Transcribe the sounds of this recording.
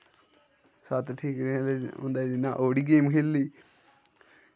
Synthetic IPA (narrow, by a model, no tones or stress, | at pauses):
sət̪ʈʰiːkɾeleʊ̰̃nd̪aːd̪ɪnːaːʔoːɽiːɡeːmkʰelːiː